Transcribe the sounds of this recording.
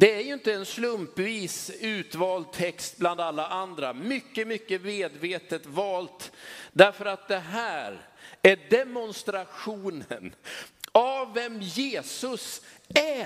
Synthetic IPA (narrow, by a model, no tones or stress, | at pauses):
d̪ɛæɾjɵɪnt̪əɛnslɵmpviːsʉ̟ːt̪vɑːld̪̚t̪ʰɛkst̪̚bland̪alːaʔand̪ɾamʏkːəmʏkːəmeːd̪veːt̪ət̪vɑːlt̪d̪æɾfœɾat̪̚d̪ɛɦæːɾæɖɛmɔnst̪ɾaɧuːnə̰n | aːɛmjeːsɵsæ